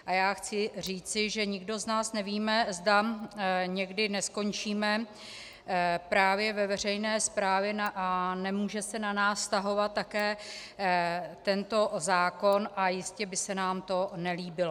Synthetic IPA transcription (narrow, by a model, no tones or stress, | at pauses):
ʔajaːxt͡sɪriːt͡sɪʒɛɲɪɡdo̞znaːsnɛviːmɛzda | ɲɛɡdɪnɛsko̞nt͡ʃiːmɛ | pɾaːvjɛvɛvɛr̝ɛjnɛːspɾaːvjɛnɛmuːʒɛsɛnanaːsst̪aɦo̞vat̪ːakɛː | t̪ɛnt̪o̞zaːko̞nʔajɪscɛbɪsɛnaːmt̪o̞nɛliːbɪlo